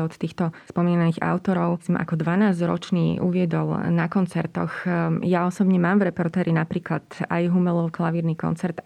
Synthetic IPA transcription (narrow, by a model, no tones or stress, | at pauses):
ɔt̪t̪iːxt̪ɔspɔmiːnaniːɣa̰ʊt̪ɔɾɔʊsimʔa̰kɔd̪ʋanaːzd͡ʑɾɔ̰t͡ʃniːʔṵʋɪɛd̪ɔlˠnakɔnt͡sɛɾt̪ɔxjaɔsɔbɲɛmaːmvɾɛpɔɾt̪ɛːɾinapɾiːklat̪ajɦumɛlˠɔʊklˠaʋiːɾniːkɔ̰nt͡sɛɾt̪